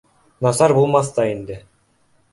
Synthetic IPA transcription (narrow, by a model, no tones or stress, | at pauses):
nɑsɑɾbulˠmɑst̪ɑind̪ɘ